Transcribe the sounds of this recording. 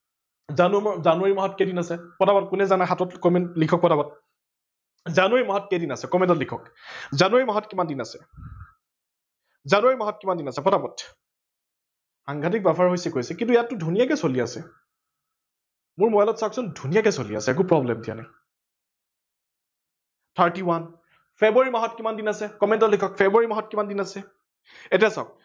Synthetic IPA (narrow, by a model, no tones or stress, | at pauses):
zanuzanʊaɹimaɦɔtkedinasɛpɔtapɔt̚kʊnɛzanaxatɔtkɔmɛnlikʰɔk̚pɔtabɔt̚ | zanejimaɦɔt̚kedinasɛkɔmɛntɔtlikʰɔkzanuaɹimaɦɔtkimandinasɛ̥ | zanuaɹimaɦɔtkimandinasɛpɔtapɔt | xaŋɡʱat̬ik̚bɛpʰaɹɦojsɛkojsɛkĩnt̬ʊjatːʊdʱunijakɛsoliasɛ | mʊɹmɔjalɔtsaksɔndʱunijakɛsolia̰sɛɛk̬ʊpɹɔblɛmdija̰nɛ̰ | tʰaɹtiwan | pʰebaɹimaɦɔtkimandinasɛkɔmɛntɔtlikʰɔk̚fʰebaɹimaɦɔtkimandinasɛ | ɛtijasa̰ʊk̚